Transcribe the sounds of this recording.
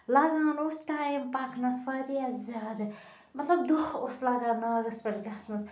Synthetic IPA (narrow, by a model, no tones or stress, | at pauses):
laɡãːnosʈajmpakʰnɐsfɐɾiazʲad̪ | mɐt̪lɐb̚d̪ooslaɡãːnaɡɐspɐlɡɐsnɐs